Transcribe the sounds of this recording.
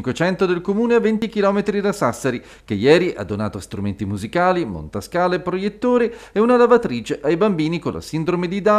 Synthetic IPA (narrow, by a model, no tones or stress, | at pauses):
ŋkwet͡ʃɛnt̪od̪elkomuːneavːent̪ik̟ilɔːmet̪ɾid̪asasːeɾi | k̟ejːɛːɾiʔa̰d̪ːona̰ːt̪oast̪ɾument̪imuzikaːlimo̰nt̪askaːlepɾojet̪ːoːɾiɛunalavat̪ɾiːt͡ʃeʔajbambiːniko̰lʔa̰sind̪ɾomed̪id̪a